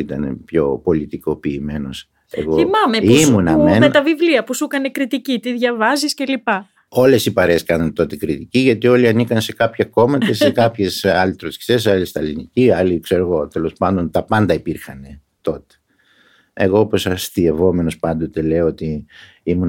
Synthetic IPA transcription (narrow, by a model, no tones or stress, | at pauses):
it̪ɐne̞̰pço̞po̞lit̪iko̞piːme̞no̞s | e̞̰ɣoimɐmeimunɐmenmet̪ɐvivliɐpusukɐne̞kɾit̪icit̪iðʝɐvɐzisce̞lipɐ | o̞le̞sipɐɾeːskɐnɐnt̪o̞t̪e̞kɾit̪iciʝɐt̪io̞liɐnikɐnse̞kɐpçɐko̞mɐt̪esekɐpçe̞sɐlit̪ɾosci̥sesɐlist̪ɐliniciɐlikse̞ɾo̞ɣo̞t̪e̞lo̞spɐnd̪o̞nt̪ɐpɐnd̪ɐipiɾxɐne̞ | t̪o̞t̪e̥ | e̞̰ɣo̞opo̞sɐst̪ie̞vo̞me̞no̞spɐnd̪o̞t̪ele̞oo̞t̪i | imun